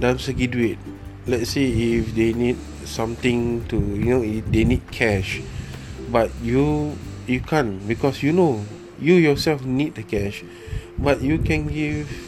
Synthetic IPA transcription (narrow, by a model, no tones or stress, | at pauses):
dãnsəɡiduit̚ | lɛtseifdenid̚ | sãmt̪ĩŋtujunoidenid̚kʰɛʃ | bat̚jujukʰãnbikɔsjuno | jujɔsɛlfnit̚dəkɛʃ | bat̚jukɛ̃nɡiv